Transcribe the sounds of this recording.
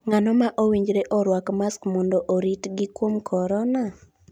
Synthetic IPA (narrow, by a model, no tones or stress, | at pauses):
ŋanɔmaʔowiɲd͡ʒɾeʔɔɾwakmaskmɔndɔʔoɾitɡɪkwomkʰɔɾɔna